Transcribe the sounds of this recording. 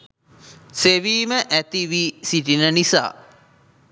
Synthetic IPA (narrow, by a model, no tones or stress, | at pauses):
seʋiːməʔæt̪iʋisiʈinənisa̰ː